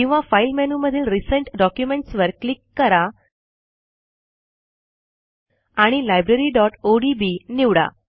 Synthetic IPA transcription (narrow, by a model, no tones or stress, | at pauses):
ĩw̃ʋafajlmenuməd̪ʱiːlɾisəɳʈɖɔkjumeɳʈsʋəɾklikːəɾa | aɽ̃ilajbɾeɾiːɖɔʈoɖibiniʋɽa̰